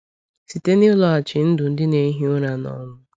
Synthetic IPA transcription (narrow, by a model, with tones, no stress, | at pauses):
si˨te˦ni˦ʊ˦lɔ˨a˨t͡ʃɪ˨n̩˦dʊ˨n̩˦dɪ˦ne˨˦ɦi˦ʊ˦ɾa˨nɔ̰˨˦mʊ˦